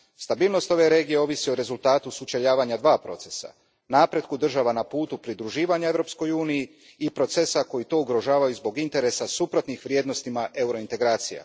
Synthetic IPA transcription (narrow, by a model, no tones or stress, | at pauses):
st̪abiːlˠno̞st̪o̞ʋe̞ɾe̞ːɡije̞o̞ʋisioɾe̞zulˠt̪aːt̪usut͡ʃeʎaːʋaɲad̪ʋaːpɾo̞̰t̪se̞sa̰ | naːpɾe̞t̪̚kud̪r̩ʒaʋanapuːt̪upɾid̪ɾuʒiːʋaɲae̞vɾo̞psko̞juːnijiː | pɾo̞t̪se̞sako̞jit̪o̞ːuɡɾo̞ʒaːʋajuzbo̞ɡint̪e̞ɾe̞sasupɾo̞t̪nixʋɾje̞ːd̪no̞st̪imaʔe̞uɾo̞int̪e̞ɡɾaːt̪sija̰